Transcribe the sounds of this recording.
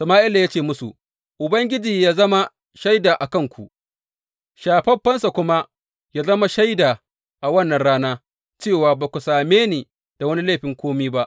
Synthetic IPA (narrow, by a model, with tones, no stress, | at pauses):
sɐ˨maː˦ʔɪ˦la˨ja˦t͡ʃeː˦˨mʊ˦sṵ˨ | ʔʊ˨bɐ˦ŋɡʲɪ˦d͡ʒiː˨jaː˦zɐ˦ma˦ | ʃa˦jdaː˨ʔa˨kɐ˦ŋkʷʰu˨ʔ | ʃaː˨ɸɐ˦ɸɐ˦nsa˨kʷʊ˦ma˦ | jaː˦zɐ˦ma˦ʃa˦jdaː˨ | ʔa˨wɐ˦nːɐ˨nɽaː˦naː˦ | t͡ʃeː˦˨waː˨baː˨kʷu˨saː˨meː˦neː˨ | d̥a˨wɐ˦ni˦le˦˨ɸɪ˨ŋkʷoː˦miː˦ba˦ʔ